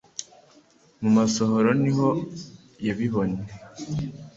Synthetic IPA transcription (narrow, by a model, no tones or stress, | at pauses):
mumasoɦoɾoniɦo̞ | jaβiɦoɲe